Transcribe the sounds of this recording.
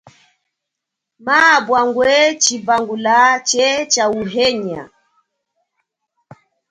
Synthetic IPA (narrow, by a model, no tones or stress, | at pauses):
maːbwaŋɡwɛt͡ʃibaŋɡulat͡ʃɛt͡ʃauɦɛɲa̰